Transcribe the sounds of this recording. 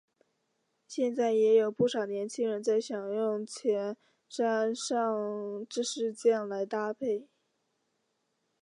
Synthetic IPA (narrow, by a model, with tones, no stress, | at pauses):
ɕjɛ˥˧nt͡sa˥˩ɪjɛ˧˥jo˨˩ʊpu˥˩ʂɑ˨˩ʊnjɛ˧˥nt͡ɕʰi˥ŋɻə˧˥nt͡sa˥˩ɪɕjɑ˨˩ŋjʊ˥˩ŋt͡ɕʰjɛ˧˥n | ʂa˥nʂɑ˥˧ŋʈ͡ʂɻ̩˥˧ʂɻ̩˥˧t͡ɕjɛ˥˩nla˧˥ɪt̪a˥pʰe˥˩ɪ